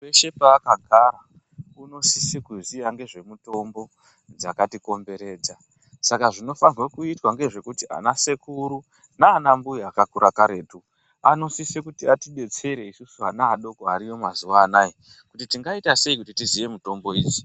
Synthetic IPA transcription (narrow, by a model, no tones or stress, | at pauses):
weʃepaːkaɡʱaɾa | uno̞sisikuziaŋɡe̞ʐe̞muto̞mbo̞ | d͡zakatiko̞mbe̞ɾe̞ːd͡za | sakaʐino̞fanirwakuitwaŋɡe̞ʐe̞kutiʔa̰nasekuɾu | naːnambujiakakuɾakaɾeːtu | ano̞sisekutiatiɓe̞t͡se̞ɾe̞isusuanaːɗo̞koaɾijo̞mazuʋaːnaji | kutitiŋɡaitase̞ikutitizije̞muto̞mbo̞iːd͡zi̥